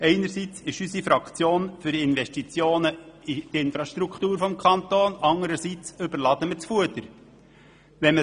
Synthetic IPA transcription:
ɛɪnəɾsit͡sɪʃysifɾɑkt͡sjoːnfʏɾɪnʋɛʃtit͡sjoːnəit̪ɪnfɾɑʃtɾukʰt̪uːɾfɔmkʰɑnt̪oːnɑŋəɾəsit͡sɵbəɾlɑd̥̪əmət͡sfuət̪əɾ | ʋɛmə

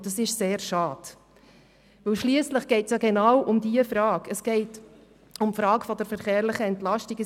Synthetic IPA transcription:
dɑsɪʃseːɾʃɑːd̥ | ʋɵwʃliəsləχɡ̥ɛɪtsjɑɡɛnɑwʔʊmd̪iəfɾɑːkəsɡ̥ɛɪt | ʊmfɾɑːkfɔd̥̪əɾfəɾχeːɾlɪχəɛntlɑʃtiɡə

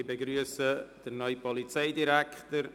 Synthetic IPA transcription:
bɛɡɾyəsəd̥̪ənɔjpʰɔlˠitʰejdɪɾɛktəɾ

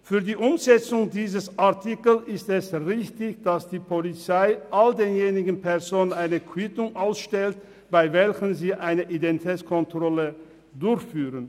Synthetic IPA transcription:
fyːɐdiːʔʊmzɛt͡sʊŋdiːzəsʔaɐtʰikl̩ɪstɛsʁɪçtɪçd̥asd̥iːpʰolit͡saɪʔaldeːnjeːnɪɡn̩pʰɛɐzoːnənaɪnəkʰwitʊŋʔaʊsʃtɛlt | b̥aɪvɛlçənziːʔaɪnəʔidɛntitʰɛːt͡skʰɔntʁ̥ɔlə | dʊɐçfyːʁən

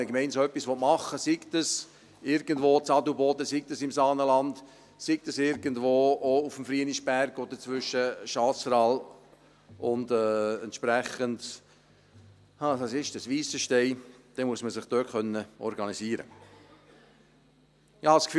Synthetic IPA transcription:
əkmɛɪnsœpːisʋɔtmɑχːəsiktəs | ɪɾɡəndʋoːt͡sɑduboːdəsik̚təsɪmsɑːnəlɑnd | sik̚təsɪɾɡəndvoːoufmfɾiəniʃb̥æɾɡ̥od̥əɾt͡svʏʃːəʃɑːsɾɑl | ʔʊndɛːɛntʃpɾɛχənd | hadɑsɪʃdəsʋiːsəʃtɛɪd̥ɛmuəsməsɪχd̥øːkʰχœnːəɔ̰ɾɡɑnisiːɾə̰ | ɑskf

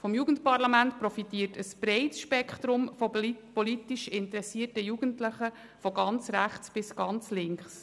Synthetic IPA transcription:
fɔmjuːɡ̥ən̩tpɑɾlɑmæntpɾɔfitiːərtəspɾɛɪtʃpɛkχt̪ɾʊmfɔpɔlitiʃɪntəɾɛsiːərtəjuɡ̥əntləχə | fɔɡɑnt͡sɾæχt͡sb̥ɪsɡ̥ɑnt͡slɪŋkχs

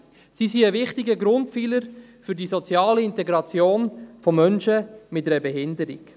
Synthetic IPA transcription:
sisiəvɪχtɪɡəɡɾʊntfiːləɾfʏɾdiːsɔt͡sjɑːləɪntɛɡɾɑt͡sjoːnfɔmœnʃəmɪtɛɾəbɛɦɪnd̪əɾḭɡ

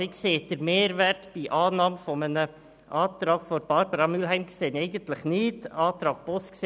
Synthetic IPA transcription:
ɪɡseːt̪əɾmeːɾʋæɾkb̥iːʔɑːnɑːməfɔmænə | ʔɑːt̪ɾɑːɡfɔɾb̥ɑɾbəɾɑmyːlɦæɪmɡəseːnæɪɡənt̪lɪχnɪːt̪ɑːt̪ɾɑːɡ̥̚bɔskse

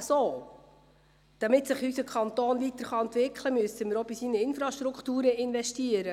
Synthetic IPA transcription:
soː | d̪̥ɑmɪtsɪχysəkχɑnt̪oːnvit̪əɾχɑɛnt̪ʋɪkχləmyəsəməɾobisinəɪnfɾɑʃtɾukχtuːɾəɪnvɛʃtiəɾə

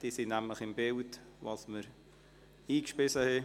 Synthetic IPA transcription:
d̥iːsinæmləχɪmbɪlt | vɑsməɾ | iːkʃpɪsəhɛ

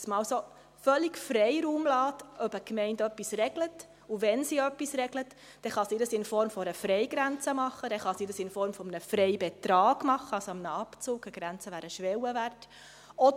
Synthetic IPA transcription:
smɑːlso | fœliɡfɾɛɪɾuːmlɑːtœbəkmɛɪndœpːisrɛɡlət | uʋɛnsiœpːisɾɛɡlət | d̥ɛχɑsiːdəsɪnfɔɾmfɔɾəfɾɛɪɡɾænt͡səmɑχːədɛχɑsiːdəsɪnfɔɾmfɔmənəfɾɛɪbɛtɾɑːɡ̥mɑχəɑsoɑmnəɑpt͡sʊːɡ̥əɡ̥ɾænt͡səʋæːɾəʃʋɛwəʋæɾt | ɔ

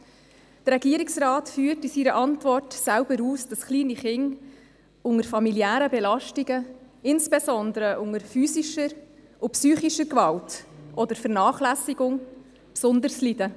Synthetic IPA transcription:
d̥ɾɛɡ̥iːɾiksrɑːtfyːrtisiːɾəʔɑntvɔrtsæʊbəɾuːsd̥ɑsχliːniχɪŋ | ʊŋəɾfɑmiliæːɾəbɛlɑʃtiɡə | ɪnsbɛsɔnd̪əɾəʔʊŋəɾfyːsiʃəɾ | ʊpsyːχiʃəɾkvɑltʔɔd̥əɾfəɾnɑːχlæsiɡʊŋ | psʊnd̪əɾslidə

